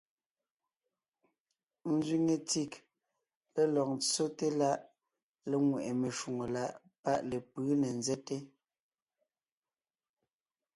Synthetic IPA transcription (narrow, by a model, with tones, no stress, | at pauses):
n̩˦zɥi˦ŋe˨ti˦˨k | pe˦lɔ˨k̚nt͡so˦te˦la˦ʔ | le˨ŋwɛ˨ʔe˨me˨ʃu˨ŋo˨la˦ʔ | pa˦ʔle˨pɯː˨˦ne˨nzɛ˦te˦